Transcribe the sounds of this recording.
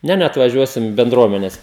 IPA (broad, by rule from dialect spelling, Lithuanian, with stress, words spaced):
ˈnʲɛ nʲɛɐtʋɐˈʒʲuɔsʲɪm bʲɛnˈdruɔmʲɛnʲɛs